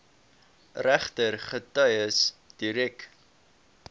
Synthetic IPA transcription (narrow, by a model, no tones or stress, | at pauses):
ræχtərχətœɥəsd̥iɾɛk